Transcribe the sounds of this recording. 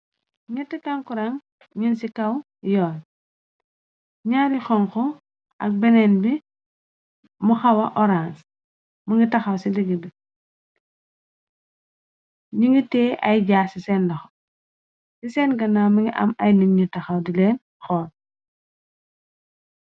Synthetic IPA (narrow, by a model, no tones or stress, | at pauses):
ŋitikɐŋkuɾɐŋ | ɲinsikɐw | jɔːn | ɲaɾixɔŋkɔ | ʔɐ̰k̚bɛnɛnbi | muxɐwɐʔɔɾans | muŋɡitɐxɐwsiliɡidi | ɲiŋɡiteːʔɐjɟaːsisɛndɐxo̥ | sisɛnɡɐnaːmuŋɡiʔɐ̰mɐjniŋɲutɐxɐwdileːn | xɔːn